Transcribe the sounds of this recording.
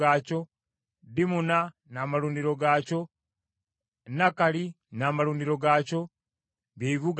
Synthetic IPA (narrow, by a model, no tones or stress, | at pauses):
aːco̞ | dimuna | namaluːndiɾo̞ɡaco̞ | nakali | naːmaluːndiɾo̞ɡaːco̞ | beiβuɡ